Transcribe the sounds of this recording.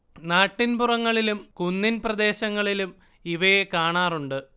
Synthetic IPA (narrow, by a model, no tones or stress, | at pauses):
naːʈːinpurɐŋːɐɭilumkunːinprɐd̪e̞ːɕɐŋːɐɭilum | iʋɐjekaːɳaːruɳɖɨ